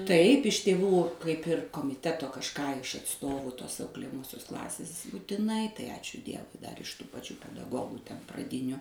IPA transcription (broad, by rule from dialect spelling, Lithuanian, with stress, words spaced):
ˈtɐɪp ɪʃ tʲeːˈʋuː kɐɪp ˈɪr koːmʲɪˈtʲæːtoː kɐʃˈkɑː ɪʃ ɐtˈstoːʋuː toːs ɐʊklʲeːjɛˈmoːsʲoːs ˈklˠɑːsʲeːs buːtʲɪˈnɐɪ tɐɪ ˈɑːt͡ʃʲʊ ˈdʲiɛʋʊɪ dɐr ɪʃ tuː pɐˈt͡ʃʲuː pʲɛdɐˈɡoːɡʊ tʲɛn prɐˈdʲɪnʲʊ